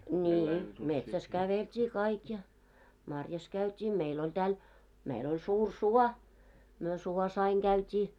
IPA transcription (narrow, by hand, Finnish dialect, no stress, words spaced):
niːi metsæs kæʋeltʲiː kɑik jɑ mɑrjɑs kæytʲiː meil olʲ tæːl meil olʲ suːr suɔ myø suɔs ɑiŋ ɡ̊æytʲiː